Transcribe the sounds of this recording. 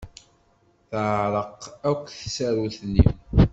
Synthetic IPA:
θʕɾˤəqːækʷːθsæɾuθnḭm

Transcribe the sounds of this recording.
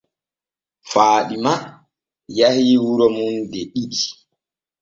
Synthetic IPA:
faːɗima | jahiːwuɾɔmundɛɗiɗi

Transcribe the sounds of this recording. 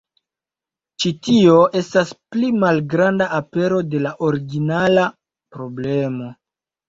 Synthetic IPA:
t͡ʃitio̞ʔe̞stasplimalɡɾandaape̞ɾo̞de̞laʔo̞ɾiɡinala | pɾo̞ble̞mo̞

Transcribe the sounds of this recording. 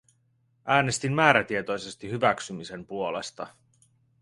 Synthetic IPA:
ʔæːne̞st̪imːæːɾæt̪ie̞t̪o̞jse̞st̪iɦyʋæksymise̞mpuo̞le̞̰st̪ɑ̰

